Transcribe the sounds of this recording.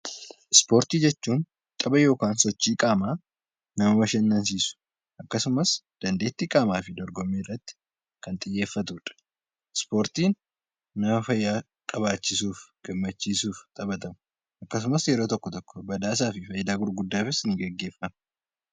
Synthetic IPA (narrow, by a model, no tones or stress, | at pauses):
ɪspo̞ːɾt̪iːd͡ʒɛt͡ʃːuːn | t̪ʼɐbɐjo̞ːkaːnsɔt͡ʃːiːkʼaːmaː | nɐmɐmɐʃɛnːɐns̬iːsʊ̥ | ʔɐkːɐsʊmɐsd̪̥ɐnd̪eːt̪ːiːkʼaːmaːfɪd̪ɔɾɡɔmːiːrːɐt̪ːɪ̥ | kɐnt̪ʼɪjːe̞ːfːɐt̪uːᶑɐ̥ | ɪspo̞ːɾt̪iːnː | ɐmɐfɐjːaː | kʼɐβaːt͡ʃːɪsuːfɡ̥ɐmːɐt͡ʃːiːsuːft̪ʼɐbɐt̪ɐmʊ | ʔɐkːɐs̬ʊmɐsjɛɾo̞ːt̪ɔkːɔt̪ɔkːɔ̥bɐd̪aːs̬aːfɪfɐjɪd̪aːɡʊɾɡʊd̪ːaːfɪsɪniɡɛɡːe̞ːfːɐmɐ